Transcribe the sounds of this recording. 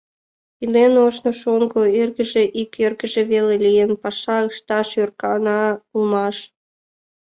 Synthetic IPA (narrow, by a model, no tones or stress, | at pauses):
imenoʃnoʃoŋɡoerɣə̆ʒeʔikʰerɣə̆ʒĕβelelijenpɑʃɑəʃt̪ɑʃørkɑnɑulmɑʃ